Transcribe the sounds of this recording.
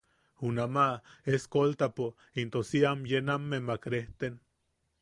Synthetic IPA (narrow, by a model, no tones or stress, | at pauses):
unamaeskolt̪apo | int̪osiamjenamːemakɾeht̪en